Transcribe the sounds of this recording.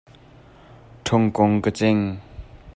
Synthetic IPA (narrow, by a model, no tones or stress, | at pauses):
ʈ͡ʂʰoŋkoŋkət͡seŋ